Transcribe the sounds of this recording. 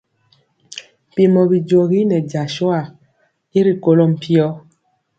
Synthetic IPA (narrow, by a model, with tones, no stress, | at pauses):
m˨pi˨mɔ˨bi˨d͡ʒo˨ɣi˦nɛ˨d͡ʒa˨ʃɔ˦a˨ | i˦ɾi˦ko˦lo˦m̩˨pʰi˦ɔ˦